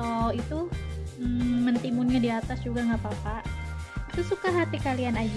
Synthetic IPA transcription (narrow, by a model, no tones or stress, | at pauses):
oit̪u | ənt̪imunɲadiat̪asd͡ʒuɡaŋɡapapaʔit̪usukaɦat̪ikalianad͡ʒ